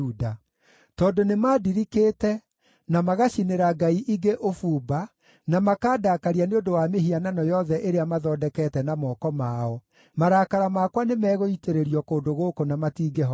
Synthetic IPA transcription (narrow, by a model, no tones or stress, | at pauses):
uda | tɔːndonemaːdiɾikeːtɛ | namaɣaɕineɾaɡaiʔiɡeʔofuːba | namakaːdaːkaɾianeondowameɦiananɔjɔðɛʔeɾeamaðɔːdɛkɛtɛnamɔːkɔmaɔ | maɾaːkaɾamakwanemɛːɣoiteɾeɾijɔkoːndoɣoːkonamatiːɡɛɦɔ